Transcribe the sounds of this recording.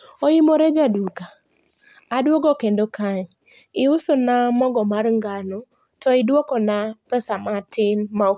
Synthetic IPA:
ojimoɾed͡ʒadukaː | dwɔɡɔkɛndokʰaɲ | ɪʊsonamɔɡɔmaɾŋɡano | tɔidwɔkɔnapɛsamatɪnma

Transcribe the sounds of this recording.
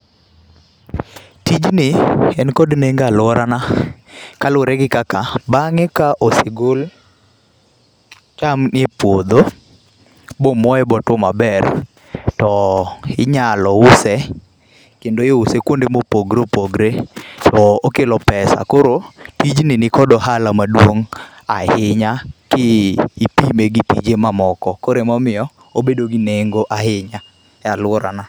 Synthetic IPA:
tid͡ʒnɪɛnkɔdneŋɡalwɔɾana | kalʊɾɛɡɪkakabaŋɛkaʔosɪɡol | t͡ʃamnepwod̪o | bomɔɛbɔtwɔmabɛr | tɔɪɲalɔʊsɛ | kendojeʊsekwondemopoɡɾopoɡɾetɔokelɔpɛsa̰koɾotid͡ʒnɪnɪkɔdɔɦalamadwoŋ | ahɪɲakɪːpimeɡipḭd͡ʒemamɔkɔkoɾemɔmɪjɔ | obedoɡineŋɡoʔahɪɲa | ɛalʊɔɾa̰na

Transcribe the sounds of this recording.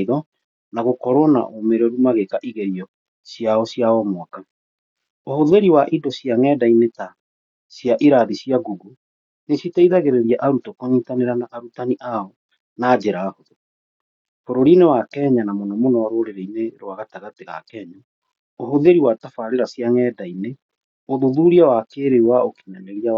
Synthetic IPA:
ðɔ | naɣokɔɾɔna̰ʔomeɾɔɾumaɣekaʔiɣeɾiɔ | sjaɔsjaɔmwaka | ohoðeɾiwaʔidosjaŋɛːdaineta | sjaʔiɾaðisjaɡuɡu | nesitaiðaɣeɾeɾjaʔaɾutokɔɲitaneɾanaʔaɾutaniʔaɔ | naːd͡ʑeɾaːhoðo | foɾoɾinewakɛɲanamonɔmonɔwaɾoɾeɾeineɾwaɣataɣateɣa̰kɛɲa | oɦoðeɾiwatafaɾeɾasjaŋɛdaine | oðuðuɾiawakeɾewaoki̥nɛnɛɣia

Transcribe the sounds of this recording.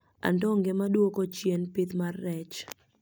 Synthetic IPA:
a̰ndɔŋɡɛmadwokot͡ʃjenpɪt̪marːɛt͡ʃ

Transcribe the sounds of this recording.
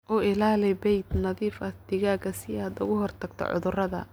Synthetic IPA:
ʔɔɪlaːlɛbɛjd̪nɐðiːfɐd̪ɪɣaːɡɐsɪjad̪ʊ̰ɣʊɦɔrt̪ʰɐɡt̪ʰɔ̰ʕʊ̰ðʊrɐðɐ̰

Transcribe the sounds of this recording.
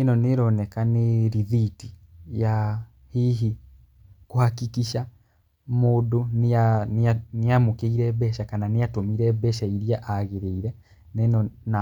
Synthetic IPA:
enɔneɾɔnɛkaneɾiðitija | hiɦi | kohakikiʃa | moːdonananeamokeiɾɛbɛʃakananejatomiɾɛbɛʃaiɾiaʔaɣeɾeiɾɛ | nenɔna

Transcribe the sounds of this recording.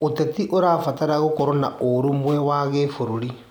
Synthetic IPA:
otɛtiʔoɾaːfataɾaɣokɔɾɔnaʔoɾomwɛwaɣefoɾoɾi

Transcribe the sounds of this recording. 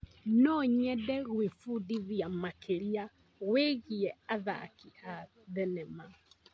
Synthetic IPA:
nɔɲɛdɛɣwefudiðiamakʰeɾia | ɣweɣiɛaða̰kia | ðɛnɛma

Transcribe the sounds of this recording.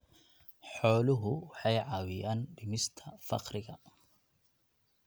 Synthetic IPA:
ħɔːlʊɦʊwɑħɑjʕɑːwɪjaːnɖɪmɪst̪ʰɐfɑ̰qɾɪɣɐ

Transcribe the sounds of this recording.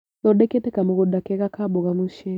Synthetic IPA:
lɔɗɛkɛtɛkamʊɣɔdakɛɣakabɔɣamuʃɛ

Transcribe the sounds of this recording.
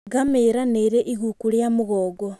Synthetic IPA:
ɡameɾaneɾeʔiɣukuɾjamoɣoːɡo

